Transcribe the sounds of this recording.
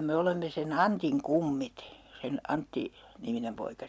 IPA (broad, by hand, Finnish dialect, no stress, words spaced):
me olemːe sen ɑntiŋ kumːit sen ɑntːi niminem poikɑ